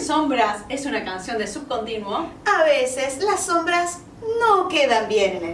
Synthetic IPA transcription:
sombɾasesunakansjo̞nd̪esub̚kont̪inwoaβeseslasːombɾas | nokeðambjeɾne

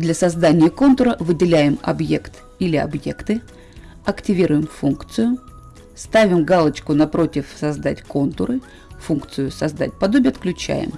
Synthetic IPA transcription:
d̪lʲɐsɐzd̪anʲɪjəko̞nt̪ʊɾəvɨdʲɪlʲæjɪmɐ̰bje̞kt̪ | ilʲɪɐ̰bje̞kt̪ɨ | ɐktʲɪvʲiɾʊjɪmfunkt̪sɨjʊ | st̪avʲɪmɡalˠət͡ɕkʊnɐpɾo̞tʲɪfsɐzd̪atʲko̞nt̪ʊɾɨ | funkt̪sɨjʊsɐzd̪a̰t̚ʲpɐd̪o̞bʲɪjəɐt̪klʲʉt͡ɕæ̰jɪ̰m

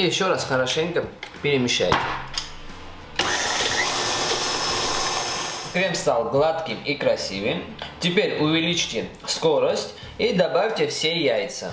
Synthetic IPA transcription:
jɪɕːɔɾasχɐɾɐʂɛŋkəpʲɪɾɪmʲɪʃːa̰jtʲɪ̰ | kɾʲɛmst̪alˠɡlˠat̪kʲɪmikɾɐsʲivɨmtʲɪpʲeɾʲuvʲɪlʲit͡ʃtʲɪ | skɔɾəsʲtʲ | id̪abafʲtʲɪfsʲejajt̪sʰə̰

